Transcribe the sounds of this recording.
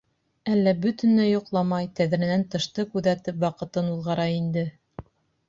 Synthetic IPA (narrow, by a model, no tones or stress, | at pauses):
ælːæbɵt̪ɘ̆nlæjŏqlˠɑmɑjt̪æðɾɘ̆nænt̪ɤ̆ʃt̪ɤkʉðæt̪ɘpwɑqɤ̆t̪ɤnuðʁɑɾɑind̪ɘ